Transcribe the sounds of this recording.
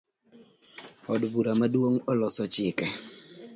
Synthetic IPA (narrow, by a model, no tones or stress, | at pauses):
ɔdbuɾamadwoŋɔlɔsɔt͡ʃɪkɛ